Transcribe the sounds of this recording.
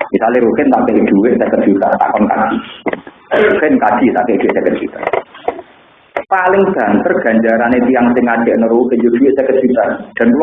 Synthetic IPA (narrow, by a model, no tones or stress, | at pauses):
misaleɾukɪnt̪akɪʔd̪̥ṳwɪʔ̚səkət̪̚ʒ̥ut̪a̰ʔt̪a̰kɔnka̰d̥i | ukɪnkad̥i̤t̪akɪʔd̪̥uwɪʔsəkət̪̚ʒ̥ut̪a̰ | palɪŋb̥a̤nt̪ərɡ̥ä̤ɲd͡ʒaɾanet̪iaŋsɪŋad̥ɛ̤ʔnəɾukejod̥uwɪʔsəkət̪̚ʒ̥ut̪ad̪̥a̤nkul